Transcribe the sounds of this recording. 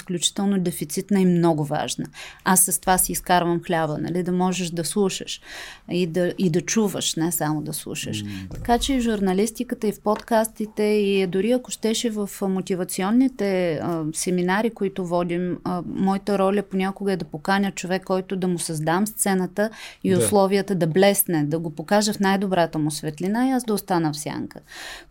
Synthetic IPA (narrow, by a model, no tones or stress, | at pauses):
sklʲut͡ʃi̥t̪ɛlˠnod̪ɛfit̪sit̪nəimnɔɡʊva̰ʒnə̰asːɐst̪ovasiːskaɾvəmxlʲabənɐ̰lid̪ɐmɔʒɛʃd̪ɐslˠuʃə̰ʃid̪ɐʔid̪ɐt͡ʃuvə̰ʃnɛsamod̪ɐslˠṵʃə̰ʃt̪ɐ̥kat͡ʃɛivʒuɾnɐlist̪ikət̪əifpot̪kast̪it̪ɛid̪ʊɾiɐkʊʃt̪ɛʃivəfmot̪ʲivɐt̪siɔnːit̪ɛəsɛminaɾikoit̪ʊvɔd̪iməːɔit̪əɾɔlʲəponʲakoɡəɛd̪ɐpokanʲət͡ʃovɛkːɔjt̪ʊd̪ɐmʊsɐzd̪amst̪sɛnət̪əiʊslˠɔvijət̪əd̪ɐblɛsnɛd̪ɐɡopokaʒəfnajd̪obɾat̪əmʊsvɛt̪linaiazd̪ɐʊst̪anəfsʲja̰ŋkə